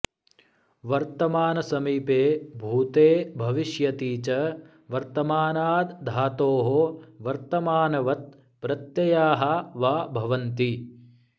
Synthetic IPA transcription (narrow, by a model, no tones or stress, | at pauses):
ʋɐɾt̪ɐmaːnɐsɐmiːpeːbʱuːt̪eːbʱɐʋiʃjɐt̪iːt͡ʃɐ | ʋɐɾt̪ɐmaːnaːd̪d̪ʱaːt̪oːɦoʋɐɾt̪ɐmaːnɐʋɐt̪̚ | pɾɐt̪jɐjaːɦɐʋaːbʱɐʋɐnt̪i